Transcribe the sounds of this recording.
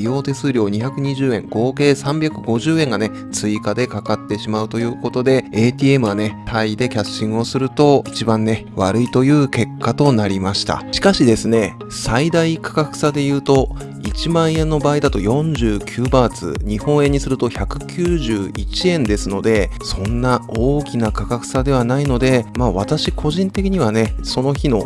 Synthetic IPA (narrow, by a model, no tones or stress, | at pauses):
ijo̞ːt̪e̞sɨːɾʲo̞ːɲ̟içakɯ̟ɲ̟iʑɨːẽ̞ŋɡ̥o̞ːke̞ːsãmbʲjakɯ̟ɡo̞ʑɨːẽ̞ŋɡane̞ | t͡sɨikad̪e̞kakat̪ːe̞ɕimaɯ̟t̪o̞jɯ̟ːko̞t̪o̞d̪e̞eːt̪ʲiːe̞mɯ̟ɡane̞t̪ʰaid̪e̞kʲaɕːĩŋ̃o̞sɨɾɯ̟t̪o̞it͡ɕibãnːe̞βa̰ɾɯ̟it̪o̞jɯ̟ːke̞kːat̪o̞naɾʲimaɕi̥t̪a̰ɕi̥kaɕid̪e̞sɨne̞ | said̪aikʰḁkakɯ̟̥sad̪e̞jɯ̟ːt̪o̞ | it͡ɕimãɰ̃ẽ̞nːobaːid̪at̪o̞jõ̞ɲ̟d͡ʑɨːkʲʰɨːbaːt͡sɨ̰ɲ̟ihõ̞ɰ̃ẽ̞ɲ̟ːisɨɾɯ̟t̪o̞çakɯ̟kʲʰɨːʑɨːit͡ɕiẽ̞nd̪e̞sɨno̞d̪e̞sõ̞nːaoːkʲinakakakɯ̟̥sad̪e̞βanaino̞d̪e̞maːβat̪aɕikʰo̞ʑĩnt̪e̞kʲiɲ̟iβane̞so̞no̞çino̞